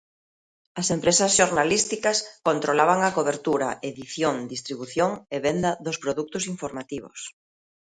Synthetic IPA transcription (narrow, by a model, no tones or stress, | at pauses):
ɐsempɾesɐsʃoɾnalist̪ikɐskont̪ɾolaβaŋakoβeɾt̪uɾɐ̰ʔeðiθjoŋd̪ist̪ɾiβuθjoŋeβend̪ɐðʊspɾoðuk̚t̪ʊsiɱfoɾmat̪iβʊ̰s